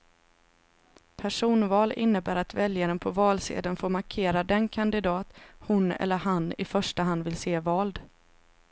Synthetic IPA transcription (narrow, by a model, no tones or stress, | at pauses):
pʰæʂuːnvɑːlɪ̰nːəbæːɾat̪vɛljaɾənpʰɔvɑːlsḛːd̪ənfoːɾmaɾkʰeːɾad̪ɛnkʰand̪ɪd̪ɑːt̪hʊnɛ̰lːəɾhanːɪ̰fœʂʈaɦand̪vɪlseːvɑːld̪